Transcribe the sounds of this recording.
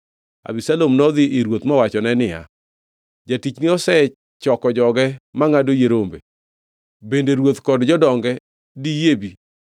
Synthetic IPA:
a̰bisalomnɔd̪ɪɪɾwot̪mɔwat͡ʃɔnɛnɪja̰ | d͡ʒatit͡ʃnɪɔsɛ | t͡ʃɔkɔd͡ʒɔɡɛmaŋadojeɾombḛ | bendeɾwot̪kɔdd͡ʒɔdɔŋɡɛ | dijebi

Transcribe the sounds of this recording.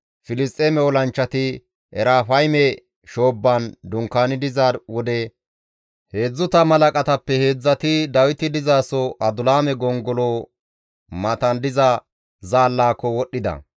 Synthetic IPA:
fɪlɪst̪ʼeːmɛɔlɐnt͡ʃːɐt̪ɪ | ɛɾaːfɐjmɛ | ʃo̞ːbːɐnd̪ʊŋkːaːnɪd̪ɪzaːɾwɔd̪ɛ | he̞ːd͡zːʊt̪ɐmɐlɐkʼɐt̪ɐpːɛhe̞ːd͡zːɐt̪ɪd̪ɐwɪt̪ɪd̪ɪzaːsɔʔɐd̪ʊlaːmɛɡɔŋɡɔlo | mɐt̪ɐnd̪ɪzɐ | zaːlːaːkːɔwɔɗːɪd̪ɐ̰

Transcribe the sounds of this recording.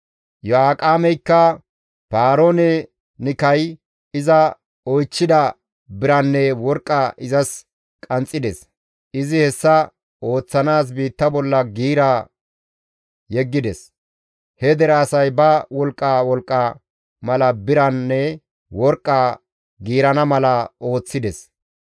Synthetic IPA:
jɔaːkʼaːmɛjkːɐ | paːɾoːnɛ | nɪkɐj | ɪzɐ | ɔjt͡ʃːɪd̪ɐ | bɪɾɐnːɛwɔɾkʼːaʔɪzɐs | kʼɐnt͡sʼːɪd̪ɛs | ɪzɪhɛsːɐ | o̞ːt͡sːɐnaːs̬biːt̪ːɐbɔlːɐɡiːɾa | jɛɡːɪd̪ɛs | hɛd̪ɛɾaːsɐjbɐwɔlkʼːawɔlkʼːɐ | mɐlɐbɪɾɐnːɛ | wɔɾkʼːaː | ɡiːɾɐnɐmɐlɐo̞ːt͡sːɪd̪ɛs

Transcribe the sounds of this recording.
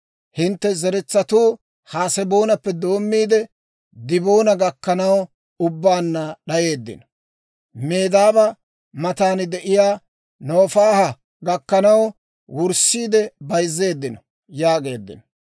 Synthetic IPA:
hɪnt̪ːɛzɛɾɛt͡sːɐt̪uː | haːsɛbo̞ːnɐpːɛd̪o̞ːmːiːd̪ɛ | d̪ɪbo̞ːnɐɡɐkːɐnɐw | ʊbːaːnːɐɗɐje̞ːd̪ːɪ̰nɔ̥ | me̞ːd̪aːbɐ | mɐt̪aːnd̪ɛʔɪjaː | no̞ːfaːhɐ | ɡɐkːɐnɐw | wʊɾsiːd̪ɛbɐjzːe̞ːd̪ːɪnɔ | jaːɡe̞ːd̪ːɪ̰nɔ

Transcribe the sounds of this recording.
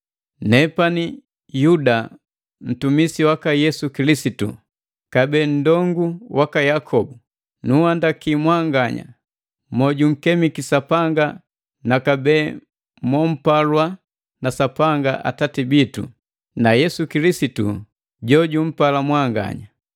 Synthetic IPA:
nɛpani | juda | n̩tumisiwakajɛsukilisitṵ | kabɛːn̩dɔŋɡuwakajakʰɔbu | nuhandakimwaŋɡaɲa̰ | mɔɟuŋ̩kɛmikisapaŋɡa | nakabɛː | mwɔm̩palwa | nasapaŋɡaʔa̰tatibitṵ | najɛsukilisitṵ | ɟɔɟum̩palamwaŋɡa̰ɲa

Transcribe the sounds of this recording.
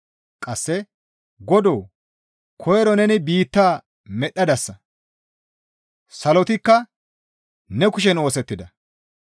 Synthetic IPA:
kʼɐsːɛ | ɡɔd̪oː | kʰɔjɛɾɔnɛnɪbiːt̪ːaː | mɛɗːɐd̪ɐsːɐ | sɐlɔt̪ɪkːɐ | nɛkʊʃɛno̞ːsɛt̪ːɪd̪ɐ

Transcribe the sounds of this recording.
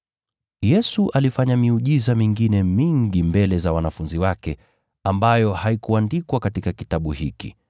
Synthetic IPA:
jɛsuʔalifaɲamiuʄizamiŋɡinɛmiŋɡimbɛlɛzawanafunziwakɛ | ambajɔhaikuandikwakatikakitaɓuhikḭ

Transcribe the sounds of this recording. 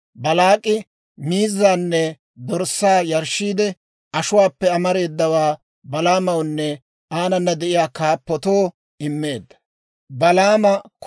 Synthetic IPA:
bɐlaːkʼːɪ | miːzːaːnːɛ | d̪ɔɾsːaːjɐɾʃiːd̪ɛ | ɐʃʊwaːpːɛɐmɐɾe̞ːd̪ːɐwaː | bɐlaːmɐwnːɛ | ʔaːnɐnːɐd̪ɛʔɪjaːkaːpːɔt̪oː | ʔɪmːe̞ːd̪ːɐ̥ | bɐlaːmɐk

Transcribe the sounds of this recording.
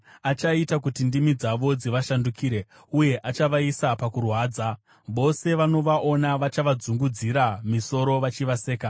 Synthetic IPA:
at͡ʃaitakutindimid͡zaʋo̞d͡ziʋaʃandukiːɾe̞ | uje̞ʔat͡ʃaʋaisapakurwaːd͡za | ʋo̞se̞ʋano̞ʋaʔo̞naʋat͡ʃaʋad͡zuŋɡud͡ziɾamiso̞ɾo̞ʋat͡ʃiʋase̞ːka

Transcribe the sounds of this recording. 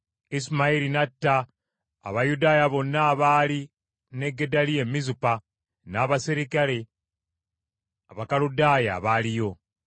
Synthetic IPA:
ismailinatːa̰ː | βajudaːjaβo̞nːaːβaːli | ne̞ɡːe̞dalie̞mːizupa | naːβasiɾikale̞ | aβakaludaːja̰βalijo̞

